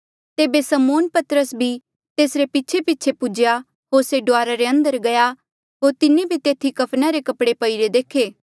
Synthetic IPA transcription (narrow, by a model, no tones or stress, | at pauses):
t̪eːbesɐmoːnpɐt̪əɾəsbʱi | t̪eːsɾepɪtːt͡ʃʰepɪtːt͡ʃʰepʊd͡ʒja | ɦoːɾseɖoʊaːɾaɾeə̃nd̪əɾɡɐja | ɦoːɾt̪ɪnẽbʱit̪eːt̪ʰikɐpʰnaɾekɐpɽepɐiɾed̪eːkʰeː